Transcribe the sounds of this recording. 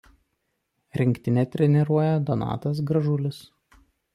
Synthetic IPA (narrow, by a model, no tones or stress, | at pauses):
ɾʲɪŋʲkʲt̪ʲɪnʲɛt̪ʲɾʲɛnʲɛɾuɔjɛd̪ɔnɑ̰ːt̪ɐs̬ɡɾɐʒʊlʲɪs